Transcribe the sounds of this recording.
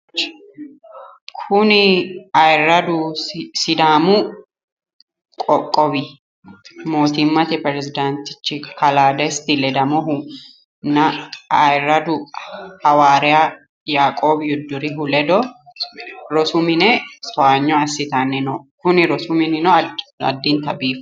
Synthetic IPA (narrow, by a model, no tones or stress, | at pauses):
kʰʊnɪɐjɪrːɐd̪ʊsɪd̪aːmʊ | kʼɔkʼːɔbɪ | mo̞ːt̪ɪmːɐt̪ɪpɛɾɛzɪd̪ant̪ɪ̥t͡ʃːɪkɐlaːd̪ɛst̪ɪlɛd̪ɐmɔɦʊ | nɐɐjɪrːɐd̪ʊhɐwaːɾɛja | jaːkʼo̞ːbjʊd̪ːʊɾɪɦʊlɛd̪ɔ | ɾɔsʊmɪnɛsɔaːɲːɔɐsːɪt̪anːɪnɔkʊnɪɾɔsʊmɪnɪnɔɐ̰d̪ːɪnt̪ɐbiːf